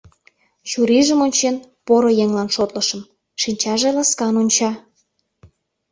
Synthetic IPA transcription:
t͡ɕuɾiʒəmonʲt͡ɕenpoɾojeŋlɑnʃot̪ləʃə̆m | ʃinʲt͡ɕɑʒelɑskɑnonʲt͡ɕɑ

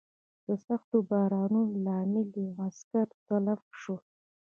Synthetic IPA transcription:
d̪̥əsaxt̪obɑɾɑnunlɑmɪliaskaɾt̪alafʂo

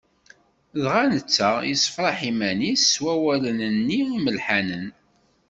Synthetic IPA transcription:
ðʁanət͡sːajisˤə̥fɾˤɑħimænisːwæwælənənːiiməlħanən

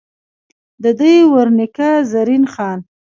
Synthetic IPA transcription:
d̪əd̪əjwəɾnɪkazaɾinxɑn

